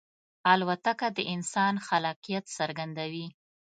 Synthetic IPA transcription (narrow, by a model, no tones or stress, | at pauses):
alwat̪akad̪əʔɪnsɑnxalɑqijat̪saɾɡand̪awi